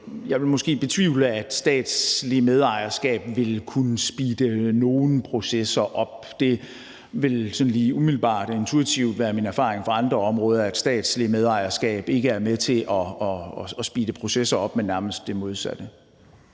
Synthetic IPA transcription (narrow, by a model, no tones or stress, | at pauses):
jɑ̈ɪʋe̝lmɒ̽sɡ̥e̝̰ːb̥e̝t͡sʰʋiːʊl̩æd̥sd̥ɛ̰ːd̥slimeð̞ˠɑ̈ɪ̰ɐsɡ̥ɛ̰ːb̥ʋe̝lkʰunəsb̥iːd̥əno̝ːn̩pʰʁo̝sesɐʔɒ̽b̥ | d̥e̝ | ʋe̝lsɒ̽n̩liːumil̩b̥ɑ̰̈ːd̥ɒ̽e̝nt͡sʰuit͡sʰiʊd̥ʋæːɐminæɐfɑ̈ːʁeŋfɑ̈ɑ̈nd̥ʁɐɒ̽mʁɔ̽ːð̞ˠɐæd̥sd̥ɛ̰ːd̥slimeð̞ˠɑ̈ɪɐsɡ̥ɛ̰ːb̥e̝ɡ̥əæɐmet͡sʰe̝ʔɒɒsb̥ḭːdəpʰʁo̝sesɐɒ̽b̥menːæɐməsd̥ːe̝mo̝ð̞ˠsæd̥ə